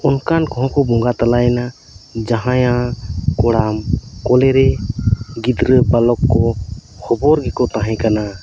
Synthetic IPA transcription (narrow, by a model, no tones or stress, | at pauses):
ɔnkankɔɦɔ̃kɔbɔ̃ŋɡat̪alajɛna | d͡ʒaɦãjãkɔɽamkɔlɛɾɛ | ɡid̪ɾəbalɔkːɔhʰɔbɔɾɡɛkɔt̪ãɦɛ̃kana